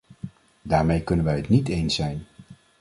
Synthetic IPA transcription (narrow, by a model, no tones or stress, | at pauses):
daːɹmejkɵnənʋɛjɦətnitejnsɛjn